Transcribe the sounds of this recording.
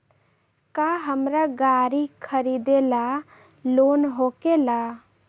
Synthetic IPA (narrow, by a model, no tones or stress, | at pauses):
kaɦəmɾaɡaɾikʰəɾid̪ela | lonɦokela